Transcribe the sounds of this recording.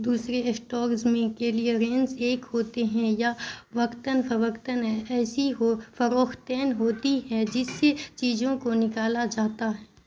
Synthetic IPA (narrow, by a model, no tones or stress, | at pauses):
d̪uːsɾesʈɔːkzmẽkelieɾẽnzeːkɦoːt̪eɦɛ̃jaʋɐkt̪ənfɐʋɐkt̪ənɛɛːsiɦofɐɾoːxt̪ɛːnɦoːt̪iɦɛ̃d͡ʒɪsːet͡ʃiːd͡ʒõkonɪkaːlad͡ʒaːt̪aɦɛː